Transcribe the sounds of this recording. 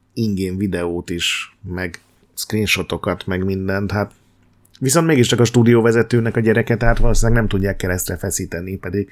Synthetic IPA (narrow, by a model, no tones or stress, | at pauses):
iŋɡeːnvid̪ɛoːt̪iʃmɛɡ | skriːnʃo̞t̪o̞kɒt̪mɛɡmind̪ɛnt̪hat̪ | ʋiso̞nt̪meːɡiʃt͡ʃɒkɒʃt̪uːd̪ijoːvɛzɛt̪øːnɛkɒɟɛɾɛkɛt̪ɛɦat̪ʋɒloːsinlːɛɡnɛmt̪uɟːaːkːɛɾɛst̪rɛfɛsiːt̪ɛnipɛd̪iɡ